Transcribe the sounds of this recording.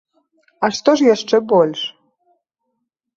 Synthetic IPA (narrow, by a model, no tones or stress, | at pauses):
aʂt̪ɔʂjaʂt͡ʂɛbɔlʲʂ